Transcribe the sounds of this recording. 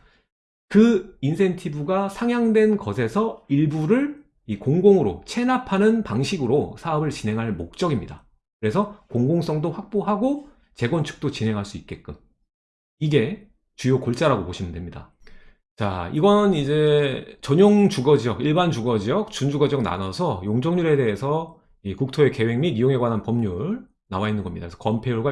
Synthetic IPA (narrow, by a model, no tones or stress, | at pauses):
kɯinsʰe̞ntʰibuɡasʰaŋjaŋdwe̞nkʌsʰe̞sʰʌiɭbuɾɯɭ | ikoŋɡoŋɯɾo̰t͡ɕʰe̞napʰanɯnpaŋɕʰiɡɯɾosʰaʌbɯɭt͡ɕinɦe̞ŋɦaɭmok̚t͡ɕ͈ʌɡimɲida̰ | kɯɾe̞sʰʌkoŋɡoŋs͈ʌŋdoɸwak̚p͈oɦaɡo | t͡ɕe̞ɡwʌnt͡ɕʰɯ̥k̚t͈ot͡ɕinɦe̞ŋɦaɭs͈uit̚k͈e̞t̚k͈ɯm | iɡe̞ | t͡ɕujokoɭt͡ɕ͈aɾaɡopoɕʰimɯndwemɲida̰ | t͡ɕa̰iɡʌnid͡ʑe̞t͡ɕʌɲoŋt͡ɕuɡʌd͡ʑijʌkiɭbant͡ɕuɡʌd͡ʑijʌk̚t͡ɕund͡ʑuɡʌd͡ʑiʌk̚na̰nʌsʰʌjoŋd͡ʑʌŋɲuɾe̞de̞esʰʌ | ikuk̚tʰoe̞ke̞we̞ŋmiɡijoŋe̞ɡwanɦanpʌmɲuɭ | nawainːɯnɡʌmɲidaksʰʌ̥kʌmpʰeuɭɡwa